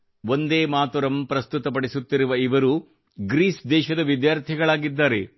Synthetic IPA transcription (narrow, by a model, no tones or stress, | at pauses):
ʋo̞nd̪eːmaːt̪ɔɾɐmpɾɐst̪ut̪ɐp̬ɐɽisut̪ːiɾuʋɐiʋɐɾu | ɡɾiːsd̪ɛːʃɐd̪ɐʋid̪jaːɾt̪ʰiɡɐɭaːɡid̪ːaːɾe̞